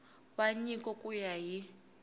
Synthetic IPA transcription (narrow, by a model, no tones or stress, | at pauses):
βaɲikʼɔkʼujaɦi